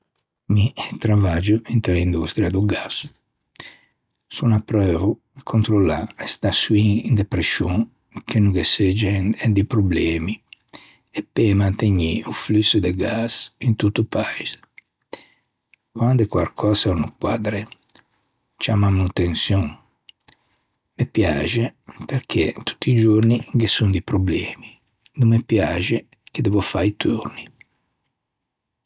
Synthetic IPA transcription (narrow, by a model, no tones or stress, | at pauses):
miɛt̪ɾavad͡ʒuint̪elind̪ust̪ɾiad̪uɡas | sunapɾøːvu | kʰont̪ɾolaɛst̪asuiind̪epɾesoŋ | kʰenuɡesed͡ʒɛnɛd̪ipɾublɛːmi | epːemant̪eɲiuflysud̪eɡasint̪ut̪ːupaiz | kwand̪ekwalkʰɔzɛunukwad̪ɾe | t͡ʃamamut̪ensjɔŋ | mepjaːʒepeɾkʰḛt̪u̥t̪ːid͡ʒurniɡesund̪ipɾoblɛːmi | numːepjaːʒe | ked̪ɛvofajit̪ʰṵrni